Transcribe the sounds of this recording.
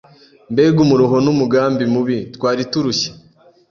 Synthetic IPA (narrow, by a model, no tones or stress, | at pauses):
mbeɡumuɾuɦonumuɡaːmbimuβitkwaːɾituɾuçe̥